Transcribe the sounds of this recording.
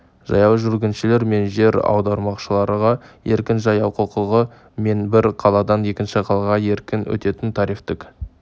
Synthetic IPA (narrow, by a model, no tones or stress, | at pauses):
ʒ̥ɑ̰jɑwʒʏlɡʲɪnʃɪle̞ɾme̞nʒe̞ɾɑ̰wd̪ɑɾmɑqʃəlˠɑɾəʁɑje̞ɾkʲɪnʒɑjɑwqʰʊlˠqəlˠʁə | me̞nbɪɾqʰɑlˠɑd̪ɑnje̞kʲɪnʃɪqʰɑlˠɑʁɑe̞ɾkʲɪnwɵ̰t̪e̞t̪ɪnt̪ʰɑɾift̪ɪk